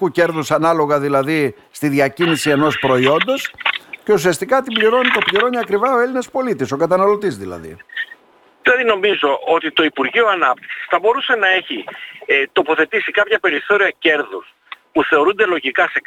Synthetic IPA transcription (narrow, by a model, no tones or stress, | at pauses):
uce̞ɾðusɐnɐlo̞ɣɐðilɐði | st̪iðʝɐcinisie̞no̞spɾo̞io̞nd̪o̞sce̞usiɐst̪ikɐt̪imbliɾo̞nit̪o̞pliɾo̞niɐkɾivɐo̞e̞line̞spo̞lit̪iso̞kɐt̪ɐnɐlo̞t̪izðilɐ̰ðḭ | ðilɐðino̞mizo̞ʔot̪it̪o̞ipuɾʝioɐnɐp̚t̪i̥ksi̥sθɐbo̞ɾuse̞nɐe̞çi | t̪o̞po̞θe̞t̪isikɐpçɐpe̞ɾiθo̞ɾiɐce̞ɾðus | puθe̞o̞ɾund̪e̞lo̞ʝikɐse